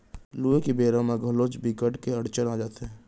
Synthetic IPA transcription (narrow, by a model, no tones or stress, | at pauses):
luekibeːɾamãɡʱəloːt͡ʃbikəʈkeəɽt͡ʃənaːd͡ʒaːt̪eɦɛ̃ː